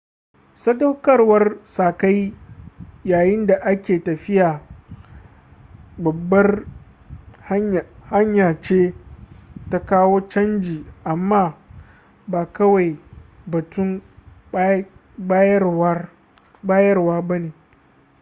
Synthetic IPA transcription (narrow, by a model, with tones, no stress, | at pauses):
sɐ˦dɐ˦wkɐ˦rwɐ˦rsaː˨ka˦j | jaː˨jɪ˦nda˨ʔa˦kʲeː˨tɐ˨ɸɪ˦jaː˨ | bɐ˨bːɐ˦r | hha˦ɲjaː˨t͡ʃeː˦ | ta˦kaː˦woː˦t͡ʃɐ˦nd͡ʒiː˨ʔa˨mːaː˦ | baː˨kɐ˦wa˨j | bɐ˨tʊ˦m | ba˦j | baː˦jɐ˦rwaː˦bɐ˦neː˨